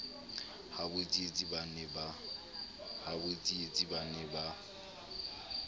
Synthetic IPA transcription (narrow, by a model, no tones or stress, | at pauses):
habʊt͡sʼiet͡sʼibanɛba | habot͡sʼiet͡sʼibanɛba